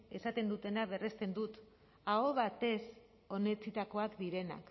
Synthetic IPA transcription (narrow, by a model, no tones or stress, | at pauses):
e̞sat̪e̞nd̪ut̪e̞naβ̞e̞re̞st̪e̞nd̪ut̪ | aoβat̪e̞s | o̞ne̞t͡sit̪ako̞akd̪iɾe̞na̰k